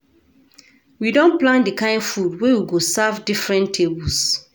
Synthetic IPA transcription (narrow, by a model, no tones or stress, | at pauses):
widɔ̃nplãndikãɪ̃ndfudwewiɡosavdifɹɛ̃ntʰebɔs